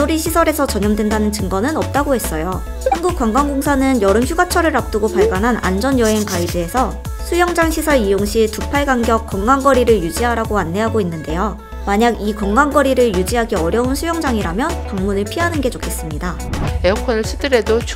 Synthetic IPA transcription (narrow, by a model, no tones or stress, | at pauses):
oɾiɕʰisʰʌɾe̞sʰʌt͡ɕʌɲʌmdwendanɯnt͡ɕɯŋɡʌnɯnʌp̚t͈aɡohe̞s͈ʌjo | hanɡuk̚k͈waŋɡaŋɡoŋsʰanɯnjʌɾɯmçʰuɡat͡ɕʰʌɾɯɾap̚t͈ɯɡopaɭɡanɦanʔa̰nd͡ʑʌnjʌɦe̞ŋpaid͡ʑie̞sʰʌ | sʰujʌŋd͡ʑaŋɕʰisʰʌɭijoŋɕʰitupʰaɭɡaŋɡjʌk̚k͈ːʌŋɡaŋɡʌɾiɾɯɭjud͡ʑiɦaɾaɡoanːe̞ɦaɡoinːɯnde̞jo | maɲaɡikʌŋɡanɡʌɾiɾɯɭjud͡ʑiɦaɡiʌɾjʌunsʰujʌŋd͡ʑaŋiɾamjʌnpaŋmunɯɭpʰiɦanɯnɡe̞t͡ɕokʰe̞s͈ɯmɲida | eokʰʌnɯɭsʰɯd͈ɯɾe̞dot͡ɕʰ